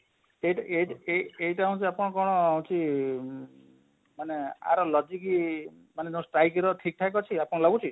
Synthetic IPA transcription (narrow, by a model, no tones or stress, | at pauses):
eiʈeiʈeeiʈaɦũt͡ʃʰiapɔɽ̃ɔkɔɽ̃ɔaɦũt͡ʃʰi | manea̰ɾɔlɔd͡ʒiki | manet̪ew̃sʈɾajkiɾɔʈʰik̚ʈʰakɔt͡ʃʰiapɔɽ̃ɔlɔɡut͡ʃʰi